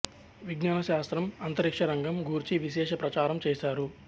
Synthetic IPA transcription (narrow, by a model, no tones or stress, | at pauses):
ʋiɡnaːnɐʃaːst̪ɾɐmɐnt̪ɐɾikʂɐɾɐŋɡʱɐmɡuːɾt͡ʃiʋiʃɛːʃɐpɾɐt͡ʃaːɾɐmt͡ʃɛːʃaːɾu